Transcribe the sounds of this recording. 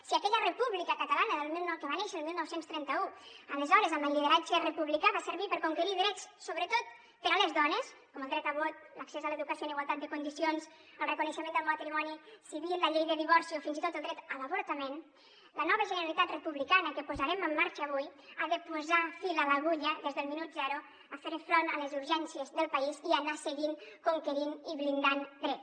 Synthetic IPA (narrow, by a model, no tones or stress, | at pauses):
siəkɛʎərəpuβlikəkət̪alanəðəlˠmilˠnkəβaneʃəəlmilˠnɔwsenst̪ɾɛnt̪əuələzɔɾəzəmbəlːiðəɾat͡ʃərəpuβlikaβasəɾβipəɾkuŋkəɾiðɾɛt͡ssoβɾət̪ot̪̚ | pəɾaləzðɔnəskɔməlˠd̪ɾɛt̪əβot̪̚ləksɛzələeðukəsioəniɣwalˠt̪at̪̚d̪əkund̪isions | əlˠrəkunəʃəmend̪əlˠmat̪ɾimɔnisiβiləʎejðəðiβɔɾsiofinzit̪ot̪əlˠd̪ɾɛt̪ələβuɾt̪əmen | lənɔβəʒənəɾalit̪at̪rəpuβlikanəkəpuzaɾɛməmːaɾt͡ʃəːβujaðəpuzafilələɣuʎəðezðəlˠminut̪zɛɾu | əfeɾfɾonə̰ləzuɾʒɛnsiəzðəlˠpəizianasəɣiŋkuŋkəɾiniβlind̪and̪ɾɛts